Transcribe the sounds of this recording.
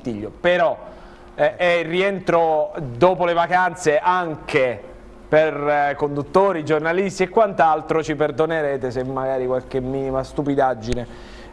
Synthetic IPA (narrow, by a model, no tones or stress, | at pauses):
t̪iʎːopeɾɔ | ɛirːiɛnt̪ɾod̪oːpolevakant̪seʔaŋke | perkond̪ut̪ːoːɾid͡ʒornalist̪iekːwant̪alt̪ɾot͡ʃiperd̪oneɾɛːt̪esemːaɡaːɾikwalkemːiːnimast̪upid̪ad͡ʒːine